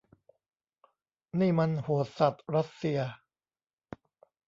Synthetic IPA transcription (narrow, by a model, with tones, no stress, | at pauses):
niː˥˩ma˧nhu˨˩˦ət̪̚sa˨˩t̪̚ɾa˦˥t̪̚si˧ɐ